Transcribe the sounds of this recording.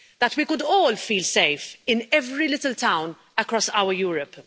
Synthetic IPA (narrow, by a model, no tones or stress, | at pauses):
ðɐtwikʊdɔːlfiːlseɪfɪ̃nɛvɾilɪtəltãʊ̃n | əkɾɔsaʊəjuːɹəp